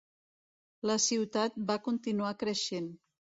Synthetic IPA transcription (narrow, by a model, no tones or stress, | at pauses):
ləsiwt̪at̪̚bakunt̪inuakɾəʃen